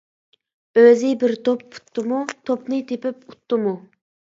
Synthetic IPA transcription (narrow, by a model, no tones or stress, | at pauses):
øzɪbɪɾt̪ʰop̚ːʰu̥t̪ːɨmut̪ʰopnɨt̪ʰepɪp̚u̥t̪ːɨmu